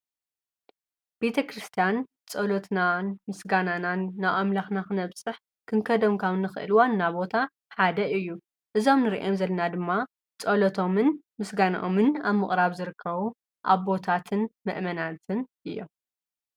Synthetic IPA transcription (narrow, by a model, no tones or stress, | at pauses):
b̥e̞t̪ʰɐkɾɨst̪ʰijan | t͡sʼɐlot̪nanmɨsɡanananːaamlaxnaxɨnɐβsʼɨħ | kʰɨŋkʰɐd̪omkʰawnːɨxɨ̰ʔɨ̰lwanːaβbo̞t̪ʰa | ħad̪ɐɨjːu | ʔɨzo̞mnɨɾḭʔomzɐlːɐnad̪ɨmːa | t͡sʼɐlot̪ʰo̞mɨn | mɨsɡana̰ʔomɨnaβmɨχʼɾaβzɨɾɨkʰːɐβu | ʔa̰βbo̞t̪ʰat̪ʰɨnmɨ̰ʔmɐnat̪ʰɨnʔɨjːo̞̰m